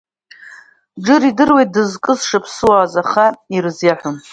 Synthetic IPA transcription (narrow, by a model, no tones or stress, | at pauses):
ɖ͡ʐɨɾidɨrwejt̚dɨzkʼɨzʂapʰsɨwaːzaχairzjaħʷᶣʊm